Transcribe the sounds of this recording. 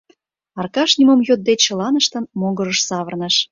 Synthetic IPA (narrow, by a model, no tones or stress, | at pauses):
ɑrkɑʃnʲimomjod̪̚d̪et͡ɕə̆lɑnəʃt̪ə̆nmoɣə̆ɾəʃsɑβə̆rnəʃ